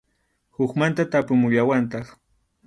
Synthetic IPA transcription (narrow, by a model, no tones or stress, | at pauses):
hʊkmant̪at̪apʊmʊʎawant̪ɑχ